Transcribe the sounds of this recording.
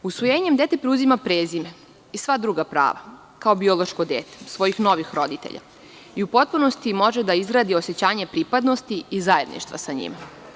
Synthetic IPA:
usʋojeːɲe̞md̪e̞t̪e̞pɾeuzimapɾeːzime̞ | isʋad̪ɾuːɡapɾa̰ːʋa | kao̞bio̞lˠoʃkod̪ḛːt̪e̥sʋo̞jixno̞ʋixɾo̞d̪it̪ḛʎʔa̰ | iupo̞t̪̚puno̞st̪imo̞ʒed̪aizɡɾaːd̪io̞se̞t͡ɕaːɲepɾipad̪no̞st̪iizae̞d̪nḭʃt̪ʋa̰saɲḭma

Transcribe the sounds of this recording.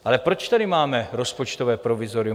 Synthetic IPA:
ʔalɛpɾot͡ʃt̪adɪmaːmɛɾo̞spot͡ʃt̪ovɛːpɾovɪzoɾɪ

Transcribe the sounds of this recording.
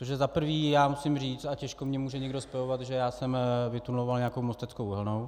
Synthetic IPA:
t̪oʒɛzapr̩viːjaːmusɪmriːt͡st̪acɛʃkomɲɛmuːʒɛɲɛɡdo̞spɛjovat̪ʒɛjaːsɛmvɪt̪unlovalɲeako̞wmost̪ɛt͡skowɦɛlno̞w

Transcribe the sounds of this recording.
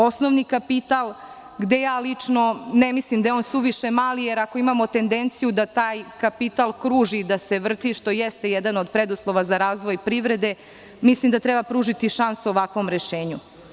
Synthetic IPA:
o̞snoʋnikapit̪alˠ | ɡd̪ejaːlit͡ʂno̞nemislimd̪ajeo̞nsuʋiʃemaːlijeɾako̞imamo̞t̪e̞nd̪ent̪sijud̪at̪aːjkapit̪alˠkɾuːʒid̪ase̞ʋr̩t̪iʃt̪o̞jɛst̪e̞jed̪anod̪pɾed̪uslˠoʋazaɾaːzʋo̞jpɾiʋɾe̞d̪e̞ | mislimd̪at̪ɾebapɾuːʒit̪iʃansuoʋakʋo̞mɾeʃeːɲu

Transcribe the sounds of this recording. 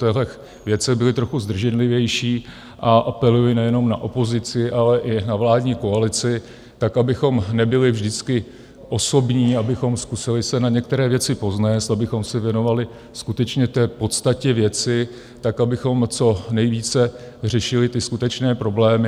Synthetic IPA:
t̪ɛɦlɛx | vjɛt͡sɛɣbɪlɪt̪ɾo̞xuzd̪r̩ʒɛnlɪvjɛjʃiː | ʔaʔapɛlujɪnɛjɛno̞mnaʔo̞po̞zɪt͡sɪʔalɛʔɪnavlaːdɲiːko̞alɪt͡sɪ | t̪akabɪxo̞mnɛbɪlɪvʒdɪt͡skɪ | ʔo̞so̞bɲiːabɪxo̞mskusɪlɪsɛnaɲɛk̚t̪ɛɾɛːvjɛt͡sɪpo̞znɛːst̪abɪxo̞msɛvjɛno̞valɪ | skut̪ɛt͡ʃɲɛt̪ɛːpo̞t̪st̪acɛvjɛt͡sɪ | t̪akabɪxo̞mt͡so̞nɛjviːt͡sɛr̝ɛʃɪlɪt̪ɪskut̪ɛt͡ʃnɛːpɾo̞blɛːmɪ

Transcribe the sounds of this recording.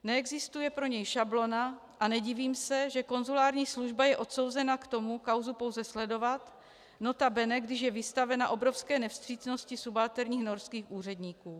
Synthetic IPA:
nɛɛɡzɪst̪ujɛpɾo̞ɲɛjʃablo̞na | ʔanɛɟiviːmsɛʒɛko̞nzulaːɾɲiːsluʒbajɛʔo̞t̪so̞wzɛnakt̪o̞mukawzupo̞wzɛslɛdo̞vat̪ | no̞t̪abɛnɛɡdɪʃjɛvɪst̪avɛnaʔo̞bɾo̞fskɛːnɛfst̪r̝̥iːt͡sno̞scɪsubaːt̪ɛɾɲiːxno̞ɾskiːxʔuːr̝ɛdɲiːkuː

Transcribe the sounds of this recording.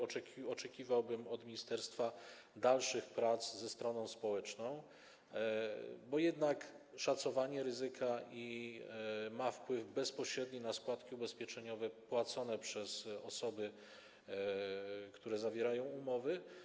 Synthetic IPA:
ɔɛɔt͡ʂɛkʲivawbɘmɔd̪mʲiɲist̪ɛɾst̪fa | d̪alʂɘxpɾat̪szɛst̪ɾɔnɔ̃w̃spɔwɛt͡ʂnɔ̃w̃ | bɔjɛd̪nakʂat̪sɔvaɲɛɾɘzɘkʰai | mafpwɘvbɛspɔɕɾɛd̪ɲinaskwat̪kʲiubɛspʲjɛt͡ʂɛɲɔvɛpwat̪sɔnɛpʂɛzɔsɔbɘ | kt̪uɾɛzavʲjeɾajɔ̃w̃umɔvɘ

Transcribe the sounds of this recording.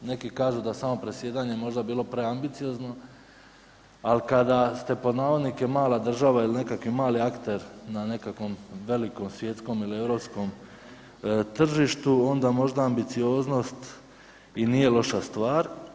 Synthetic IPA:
ne̞kikaːʒud̪asamo̞pɾe̞sje̞ːd̪aɲemo̞ʒd̪abiːlˠo̞pɾe̞ambit̪sijo̞ːzno̞ | alikad̪ast̪e̞po̞d̪naːʋo̞d̪nike̞maːlˠad̪r̩ʒaʋailine̞kakʋimaːliakt̪e̞ɾnane̞kakʋo̞mʋe̞liko̞msʋje̞t̪sko̞milie̞ʋɾo̞psko̞m | t̪r̩ʒiʃt̪uo̞nd̪amo̞ʒd̪aːmbit̪sijo̞ːzno̞st̪ | iniːje̞lˠo̞ʃast̪ʋaːɾ

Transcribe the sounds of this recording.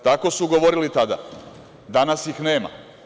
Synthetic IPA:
t̪ako̞suɡoʋoɾilit̪ad̪a̰ | d̪anasjixne̞ːma̰

